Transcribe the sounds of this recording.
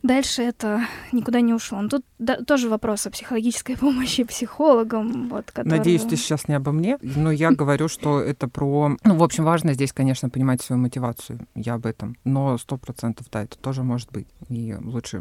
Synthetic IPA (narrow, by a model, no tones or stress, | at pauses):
d̪alʲʂɨɛt̪ənʲɪkʊd̪anʲɪʊʂlˠonot̪ut̪d̪at̪ːo̞ʐɨvɐpɾo̞sɐpsʲɪxəlˠɐɡʲit͡ɕɪ̥skəjpo̞məɕːɪpsʲɪxo̞lˠəɡəmvo̞t̪kɐt̪nɐdʲejʏsʲt̪ʲesɕasnʲɪɐbɐmnʲenojaɡəvɐɾʲuʂt̪o̞ɛt̪əpɾonuvo̞pɕɪmvaʐnəzʲdʲesʲkɐnʲeʂnəpənʲɪmatʲsvɐjumətʲɪvat̪sʊjʊ̰jaɐbɛt̪əmno̞st̪o̞pɾɐt̪sɛnt̪əvd̪aɛt̪ə̥t̪o̞ʐɨmo̞ʐɨt̪̚bɨtʲilˠutʂɨ̰